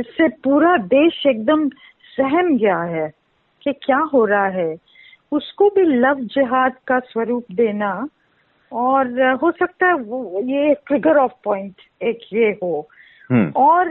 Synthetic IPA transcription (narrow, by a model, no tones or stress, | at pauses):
ɪsːepuːɾad̪eːʃeːk̚d̪əm | sɛɦɛmɡɐjaɦɛː | kekjaːɦoːɾaɦaɦɛ | ʊskobʱilɐʋd͡ʒɐɦaːd̪kaswɐɾuːpd̪eːna | ɔːɾɦosɐk̚t̪aɦɛojeʈɾɪɡəɾɔːfpɔ̃ːɪ̃ɳʈ | eːkjeɦoː | ɔːɾ